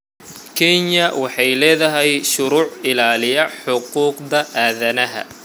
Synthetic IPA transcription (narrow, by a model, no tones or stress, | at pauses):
kʰɛɲɐwɑħɑjlɛːðɐɦɛjʃʊɾuːʕɪlaːlɪjɐħʊquːqd̪ɐʔaːðɐnɐɦɐ̰